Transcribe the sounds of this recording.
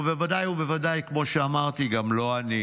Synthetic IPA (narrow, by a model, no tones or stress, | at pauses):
vevad̪ajube̞vad̪ajkmo̞ʃeamaʁt̪iɡamlo̞ani